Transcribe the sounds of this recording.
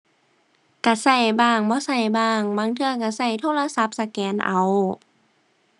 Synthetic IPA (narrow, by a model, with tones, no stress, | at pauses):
ka˧˩sa˧˩jbaː˧˩ŋbɔː˧˦sa˧˩jbaː˧˩ŋbaː˧˦ŋt̪ʰɯ˧ɐk̬a˧˩sa˧˩jt̪ʰoː˧˥˨la˧sa˧˦p̚sa˧kɛː˨˦nʔa̰˨˧˦w